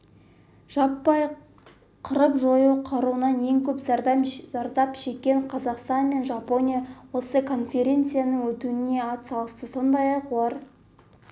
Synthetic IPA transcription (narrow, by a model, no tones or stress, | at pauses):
ʒ̥ɑpːɑj | qʰəɾəpʒo̞juqʰɑɾuənɑnje̞ŋkʲʰɵpzɑɾd̪zɑɾd̪ɑpʃe̞kʲːe̞ɴqʰɑzɑqst̪ɑnme̞nʒɑpo̞nʲijawo̞səkʰo̞nfʲe̞ɾʲe̞nt̪sɨjanəŋwɵt̪uɪne̞ɑt̪sɑlˠəst̪əso̞nd̪ɑjɑqulˠɑɾ